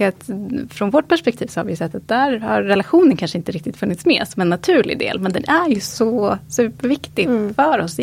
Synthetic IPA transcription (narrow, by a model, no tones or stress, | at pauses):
at̪fɾɔnvɔʈ̚ːpʰæʂpɛk̚t̪ʰiːvsɔhaɾvɪjɵsɛt̪ːat̪̚d̪æːɾha̰ɾːɛlaɧuːnənkʰanʂəɪnt̪əɾɪk̚t̪ɪt̪fɵnːɪt̪smḛːsɔmɛnːat̪ʰʉ̟ːɭɪ̰d̪ḛːlmɛnd̪ɛnʔæɾjɵsɔsʉ̟ːpːəɾvɪkt̪ɪfœːɾɔs